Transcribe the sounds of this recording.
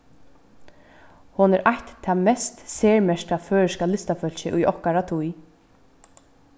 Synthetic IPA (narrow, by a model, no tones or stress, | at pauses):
hʊnɛɾʔaht̪t̪ʰːaːmɛst̪seːɹmɛʃkaføːɹɪʃkalɪst̪afœl̥ɕɪ̰ʔʊjʔɔhkaɾat̪ʰuj